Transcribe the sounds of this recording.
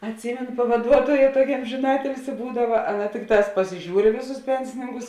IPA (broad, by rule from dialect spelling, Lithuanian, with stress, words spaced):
ɐtʲˈsʲiːmʲɛnʊ pɐʋɐˈduɔtoːjɛ ˈtuɔkʲɛ ˈɐmʲʒʲɪnɐ ˈɑːtʲɪlʲsʲɪ ˈbuːdɐʋɐ ˈɑːˌnɐ ˈtʲɪkˌtɑːs pɐsʲɪˈʒʲuːr ɪ ˈʋʲeːˌsʊs ˈpʲɛnʲsʲɪnʲɪŋkʊs